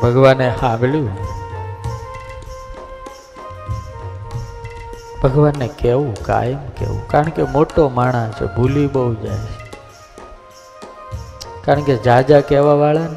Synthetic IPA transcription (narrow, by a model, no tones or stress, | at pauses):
bʱəɡʋanehãmljũn | bʱəɡʋanːekeʋũka̰jəmkḛʋṵ̃kaɾəɳkemoʈomaɳ̃ãt͡ʃʰḛbʱuliɓəɦud͡ʒa̰jt͡ʃʰe̥ | kaɾəɳked͡ʒad͡ʒakɛʋaʋaɭan